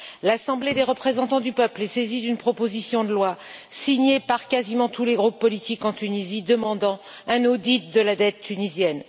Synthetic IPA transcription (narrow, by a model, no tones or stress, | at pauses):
lasɑ̃bled̪eʁəpχezɑ̃t̪ɑ̃d̪ypœplɛsezid̪ynpχɔpozisjɔ̃d̪əlwasiɲepaʁkazimɑ̃t̪uleɡʁupːɔlit̪ikɑ̃t̪ynizid̪əmɑ̃d̪ɑ̃ | ɛ̃nod̪it̪̚d̪əlad̪ɛt̪ːynizjɛn